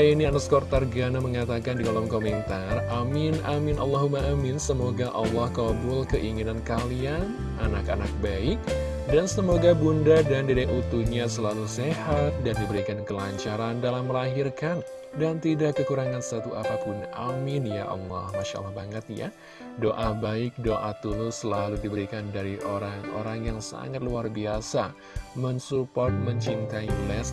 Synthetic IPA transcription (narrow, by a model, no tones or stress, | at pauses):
ainianaskɔrt̪arɡanaməŋat̪akandidolɔmkomɛnt̪aramɪnʔamɪnʔa̰lːɔɦumaʔamɪnsəmoɡaʔɑlːɔhkɔbʊlkəʔiŋinankalian | ʔanaka̰nak̚baɪk̚ | dansəmoɡabundadandedɛʔut̪uɲasəlalusehat̪̚dandibəɾikankəlaɲt͡ʃaɾandalamːəlaɦirkan | dant̪idakːəkuɾaŋansat̪uapapʊna̰mɪnjaʔɔ̰nlɔ̰hmaʃa̰a̰lahbaŋət̪̚ja̰ | doʔabaɪk̚doʔat̪ulʊsəlaludibəɾikandaɾiʔoɾaŋo̰ɾaŋjaŋsa̰ŋat̪̚luarbiasa | mənsupɔrt̪̚məɲt͡ʃint̪ailɛs